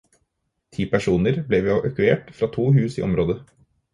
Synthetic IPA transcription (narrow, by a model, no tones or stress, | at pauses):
t̪ʰiːpæʂuːnəɾblɛʋeːʔœkʉeːʈfɾɑːt̪ʰuːhʉːsḭːʔɔmɾoːd̪ə